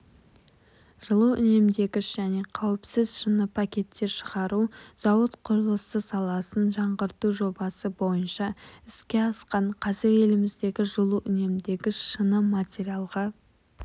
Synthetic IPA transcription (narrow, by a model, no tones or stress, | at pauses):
ʒ̥əlˠuʔʏ̰ne̞md̪e̞ɡʲɪʃʒ̥æne̞qʰɑwɪpsɪzʃənəpʰakʲe̞t̪ːe̞ɾʃəʁɑɾuz̥ɑwət̪qʰʊɾəlˠəsəsɑlˠɑsənʒɑɴʁəɾt̪uʒo̞bɑsəbo̞jənʃɑɪskʲe̞ɑsqɑɴqʰɑzɪɾe̞lɪmɪzd̪e̞ɡʲɪʒəlˠuʔʏne̞md̪e̞ɡʲɪʃʃənəmat̪ʲeɾialˠʁɑ